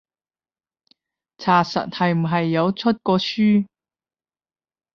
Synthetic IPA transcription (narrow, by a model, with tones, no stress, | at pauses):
t͡sʰaː˨˩sɐ̰˨t̚hɐ˨jm̩˨˩ɦɐ˨jːɐ˨˧wt͡sʰɵ˥t̚kɔː˧syː˥